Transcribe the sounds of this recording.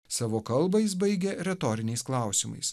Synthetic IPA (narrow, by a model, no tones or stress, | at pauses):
sɑːʋoːkɐlˠbɐɪs̬bɐɪɡʲeɾʲɛt̪ɔːɾʲɪnʲɛɪsklˠɑˑʊsʲɪmɐ̰ɪs